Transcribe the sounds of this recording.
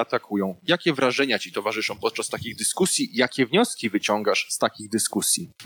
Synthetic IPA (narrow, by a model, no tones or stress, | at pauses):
at̪akʰujɔ̃w̃jakʲɛvɾaʐɛɲat͡ɕit̪ɔvaʐɘʂɔ̃w̃pɔt̪̚t͡ʂast̪akʲiɣd̪ɘskusʲjijakʲɛvɲɔskʲivɘt͡ɕɔ̃ŋɡaʂst̪akʲiɣd̪ɘskusʲji